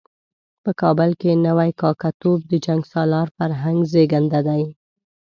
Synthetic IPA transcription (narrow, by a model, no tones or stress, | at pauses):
pəkɑbəlkenəwajkɑkat̪ob̚d̪əd͡ʒaŋɡsɑlɑɾfaɾɦaŋɡzeɡand̪ad̪aj